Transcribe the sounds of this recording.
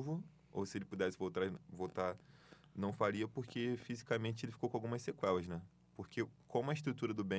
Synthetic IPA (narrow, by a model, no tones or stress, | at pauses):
vʊ | o̰wsɪelɪpud̪ɛsɪvowt̪avowt̪aɾ | nɐ̃w̃faɾiɐpoɾkefizikamẽnt͡ʃɪelɪfi̥kowkõawɡũmɐssekwɛlɐznɛ | poɾkekõmʊɐɪʃt̪ɾut̪uɾɐd̪ʊbẽ